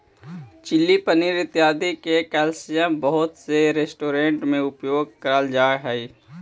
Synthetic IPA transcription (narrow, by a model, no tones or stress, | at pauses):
t͡ʃɪlːipəniɾɪt̪jaːd̪ikekɛːlsijãbəɦʊt̪seɾeːsʈoːɾẽɳʈmẽʊpjoːɡ̚kəɾəld͡ʒaːɦɛi